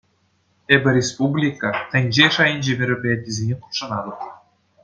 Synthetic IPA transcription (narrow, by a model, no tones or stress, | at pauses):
ebʲɘ̆ɾʲespublʲikɑt̪ʲɘ̆nʲʑeʃɑjinʲʑemʲĕɾʲøpʲeæt̪̚ʲːizʲenʲequ̥p̪ʂɤ̆nɑd̪ɤ̆t̪̚